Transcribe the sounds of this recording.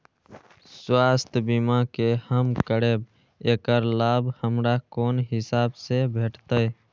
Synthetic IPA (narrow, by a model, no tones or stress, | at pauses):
swaːst̪ʰbimãkehəmkəɽeːb̚ | eːkəɾlaːbʱhəmɾakoːnɦɪsaːbsebʱeːʈʰt̪əe